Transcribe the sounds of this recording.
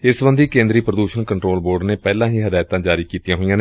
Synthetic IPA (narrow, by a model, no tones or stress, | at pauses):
ɪsʋə̃nd̪iːkẽːnd̪ɾiːpɾəd̪uːʃənkəɳʈɾoːlboːɾɖneːpɛːlãːɦiːɦəd̪aːjt̪ãːd͡ʒaːɾiːkiːt̪ijãːɦoijãːne